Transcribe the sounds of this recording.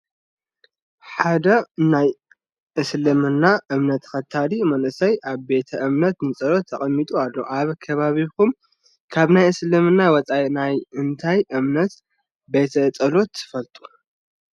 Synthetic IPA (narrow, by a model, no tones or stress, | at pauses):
ħad̪ɐnaj | ʔɨslɨmɨnːaʔɨmnɐt̪xɐt̪ʰːalimɐnʔɨsɐjʔaβbe̞t̪ʰɐʔɨmnɐt̪nɨt͡sʼɐlo̞t̪ʰːɐχʼɐmːit̪ʼualːo̞ʔaβkʰɐβaβikum | kʰaβnajɨslɨmɨnːawɔt͡sʼajnajɨnt̪ʰajʔɨmnɐt̪ | be̞t̪ʰɐɨt͡sʼɐlo̞t̪ːɨ̥fɐlt̪ʼu̥